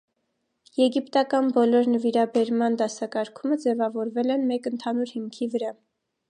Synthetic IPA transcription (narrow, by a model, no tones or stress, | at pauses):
jɛɡipt̪ɑkɑnbɔlɔɾnəviɾɑbɛɾmɑnd̪ɑsɑkɑɾkʰuməd͡zɛvɑvɔɾvɛlɛnmɛkənt̪ʰɑnuɾhimkʰivəɾɑ